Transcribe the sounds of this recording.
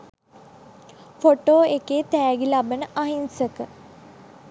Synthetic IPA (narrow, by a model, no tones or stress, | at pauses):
foʈoːekeːt̪æːɡilabənəʔaɦinsəkə